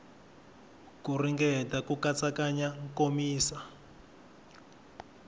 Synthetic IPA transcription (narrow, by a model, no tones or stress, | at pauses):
kuriŋɡɛtakukat͡sakaɲaŋkomiːsa